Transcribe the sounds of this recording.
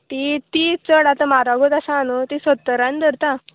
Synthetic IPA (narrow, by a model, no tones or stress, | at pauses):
t̪it̪it͡səɽat̪amaɾaɡot̪asaːnut̪isət̪ːəɾand̪əɾt̪ã